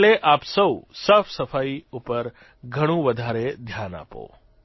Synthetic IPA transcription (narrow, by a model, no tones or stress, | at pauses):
ɭeʔaːpsəwsəfsəfʰaiupəɾ | ɡʱəɽ̃ũʋəd̪ʱaɾed̪ʱjana̰ːpo̰